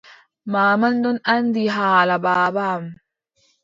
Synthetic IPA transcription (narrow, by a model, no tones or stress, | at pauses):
maːmɐnd̪unɐnd̪iɦaːlɐbaːbaːm